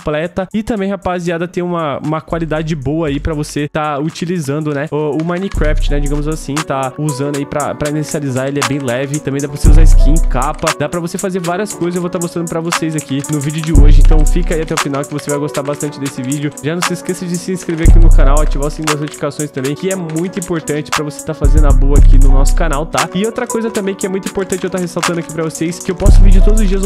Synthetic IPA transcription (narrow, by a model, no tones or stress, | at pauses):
plɛt̪ɐɪt̪ɐ̃mbẽj̃hapaziad̪ɐt̪ẽj̃ũmɐṵ̃mɐkwalid̪ad͡ʒɪbowɐaːipɾɐvoset̪aut͡ʃilizɐ̃nd̪ʊnɛʊʊmɐ̃nikɾɛft͡ʃɪnɛd͡ʒiɡɐ̃mʊzasĩt̪auzɐ̃nd̪ʊaipɾɐ̰pɾɐinesializaelɪɛbẽj̃lɛvɪt̪ɐ̃mbẽd̪apɾɐvoseuzaɪskĩkapɐd̪apɾɐvosefazeɾvaɾiɐskojzewvowt̪aɾmost̪ɾɐ̃nd̪ʊpɾɐvosejzakinʊvid͡ʒɪʊd͡ʒɪoʒɪẽnt̪ɐ̃w̃fikɐaiat̪ɛʊwfinawkɪvosevajɡost̪aɾbast̪ɐ̃nt͡ʃɪd̪esɪvid͡ʒʊʒanɐ̃w̃sɪskesɐd͡ʒɪsɪĩskɾeveɾakinʊkanawat͡ʃivasĩd̪uɐznot͡ʃi̥fikasõj̃st̪ɐ̃mbẽj̃kɪɛmũj̃t̪ʊĩmpoɾt̪ɐ̃nt͡ʃɪ̥pɾɐvose̥t̪aɾfazẽnd̪ʊɐboɐakʰinʊnɔsʊ̥kanawt̪aɪot̪ɾɐkojzɐt̪ɐ̃mbẽj̃kɪɛmũjt̪ĩpoɾt̪ɐ̃t͡ʃɪewt̪ahesawt̪ɐ̃d̪ʊakipɾɐvoseskɪewpɔsʊvid͡ʒʊt̪od̪ʊzʊzd͡ʒiɐz